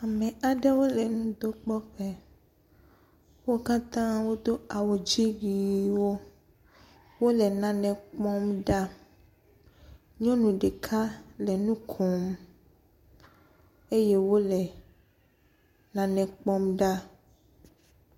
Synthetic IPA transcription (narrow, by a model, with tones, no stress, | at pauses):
a˨mɛ̃˨a˨ɖɛ˦wo˦lɛ˨nũ˦d̪o˦k͡pɔ˦ɸɛ˦ | wo˦ka˦t̪ã˦wo˦d̪o˦a˨wo˨d͡ʒi˦wi˨wo˦ | wo˦lɛ˨nã˨nɛ̃˨k͡pɔ˦mɖa˦ | ɲɔ̃˦nũ˨ɖe˨kʰa˦lɛ˨nũ˦kʰɔ˨m | e˦je˦wo˦lɛ˨ | nã˨nɛ̃˨k͡pɔ˦mɖa˦